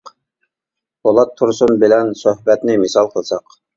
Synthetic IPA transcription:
bolˠɑt̪ʰːʊɾsunbɪlɛnsohbɛt̪nɪmɪsɑlˠqʰəlˠsɑq

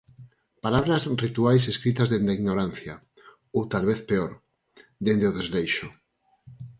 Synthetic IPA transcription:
palaβɾazrit̪uajseskɾit̪azðend̪eiɣnoɾan̟θja | owt̪alβeθpeoɾ | d̪end̪eoðezlejʃo

